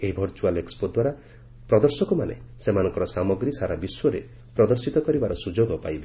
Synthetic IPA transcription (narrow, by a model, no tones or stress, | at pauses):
eɦibʱɔɾt͡ʃualekspod̪waɾa | pɾɔd̪ɔɾsɔkɔmanḛsemanɔ̃ŋkɔɾɔsamɔɡɾisaɾabiswɔɾḛ | pɾɔd̪ɔɾsit̪ɔkɔɾibaɾɔsud͡ʒoɡɔpa̰jbe